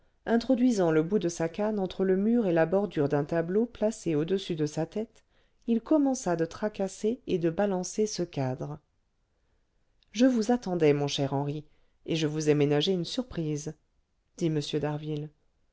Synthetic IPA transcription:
ɛ̃t̪χɔd̪ɥizɑ̃ləbud̪əsakanɑ̃t̪χələmyːʁelabɔʁd̪yʁd̪ɛ̃t̪abloplaseod̪əsyd̪əsat̪ɛt̪ | ilkɔmɑ̃sad̪ət̪χakaseed̪əbalɑ̃sesəkad̪ʁə | ʒəvuzat̪ɑ̃d̪ɛmɔ̃ʃɛʁɑ̃ʁi | eʒəvuzɛmenaʒeynsyʁpχiz | d̪̥iməsjød̪aʁvil

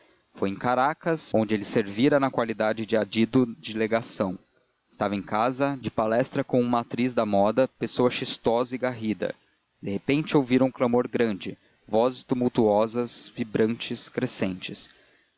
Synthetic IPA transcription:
fojẽkaɾakɐsõnd͡ʒɪelɪseɾviɾɐnɐkwalid̪ad͡ʒɪd͡ʒɪad͡ʒid̪ʊd͡ʒɪleɡasɐ̃w̃ | ɪst̪avɐẽkazɐd͡ʒɪpalɛst̪ɾɐkõũmɐat̪ɾizd̪ɐmɔd̪ɐpesoɐʃist̪ɔzɐiɡaɦid̪ɐ̰ | d̪ehepẽnt͡ʃɪowviɾɐũklamoɾɡɾɐ̃nd͡ʒɪ | vɔzɪst̪umuwt̪uɔzɐzvibɾɐ̃t͡ʃɪskɾesẽnt͡ʃɪs

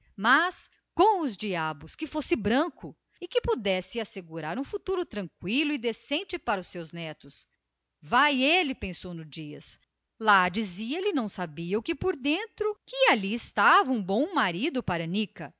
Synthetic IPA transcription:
mɐs | kõw̃ʊzd͡ʒiabʊskɪfosɪbɾɐ̃kʊ | ɪkɪpud̪ɛsɪaseɡuɾaɾũfut̪uɾʊt̪ɾɐ̃ŋkwilʊɪd̪esẽnt͡ʃɪpaɾɐʊsːewznɛt̪ʊs | vajelɪpẽsownʊzd͡ʒiɐ̰s | lad͡ʒiziɐlɪnɐ̃w̃sabiɐʊkɪpoɾd̪ẽnt̪ɾʊkɪaliɪst̪avɐũbõw̃maɾid̪ʊpaɾɐnikɐ

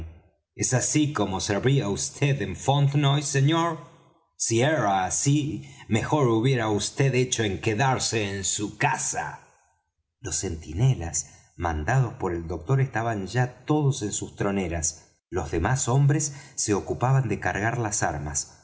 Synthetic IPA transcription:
esasiko̞mo̞seɾβiaust̪ʰeðeɱfont̪nojseɲoɾ | sieɾaːsimexo̞ɾuβje̞ɾaust̪eðet͡ʃo̞eŋkeðaɾseːnsukasa̰ | lo̞se̞nt̪ine̞la̰s | mã̰nd̪að̞o̞spo̞ɾe̞ld̪o̞k̚t̪o̞ɾest̪aβanʒat̪o̞ð̞ose̞nsust̪ɾo̞neɾas | lo̞zðe̞maso̞mbɾesːe̞o̞kupaβand̪e̞kaɾɣaɾlasaɾmas

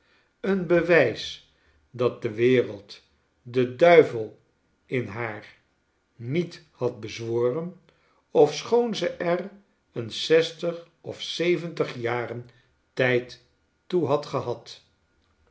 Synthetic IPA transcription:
ənbəʋɛjs | dɑt̚dəʋɪːrəlˠt | dədœɥvəlˠ | ɪnɦaːr | nit | hɑt̚bəzʋoːrən | ɔfsχownzəʔɛr | ənsɛstəχ | ɔfsejvəntəχjaːrən | tɛjtː | uɦɑtχəɦɑt

